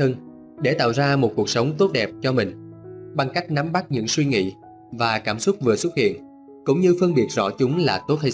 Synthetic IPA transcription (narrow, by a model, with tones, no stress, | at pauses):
ə˧n | ɗe˧˩t̪a̰ː˧˨wzaː˧mo˨˩t̚ku˨˩ək̚sə˨˦wŋ͡mt̪o˦˥t̚ɗɛ˨˩p̚t͡ɕɔ˧mï˨˩ŋ̟ɓa˧ŋka˦˥jk̟̚na˨˦mɓa˦˥t̚ɲɨ̰˧˥ŋswi˧ŋḭ˧˨ | vaː˨˩kaː˧˩msʊ˦˥t̚vɨ˨˩əsʊ˦˥t̚hḭ˧˨ən | kʊ̰˧˥ŋ͡mɲɨ˧fɨ˧əŋɓi˨˩ət̚zɔ̰˧˥t͡ɕʊ˨˦ŋ͡mlaː˨˩t̪o˦˥t̚hə˧